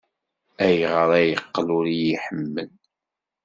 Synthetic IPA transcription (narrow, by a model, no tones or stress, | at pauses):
æjʁəɾˤæjəqːəlʊɾijiħəmːən